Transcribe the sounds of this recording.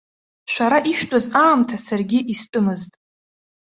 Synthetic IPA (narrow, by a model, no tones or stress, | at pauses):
ʃʷᶣaɾaʔiʃᶣtʼazaːmtʰasarɡʲiʔistʼʊmɨztʼ